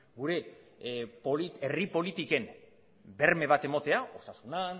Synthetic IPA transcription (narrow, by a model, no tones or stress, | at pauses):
ɡuɾe̞ | polieripo̞lit̪ike̞m | be̞ɾme̞β̞at̪e̞mo̞t̪e̞ao̞sasunan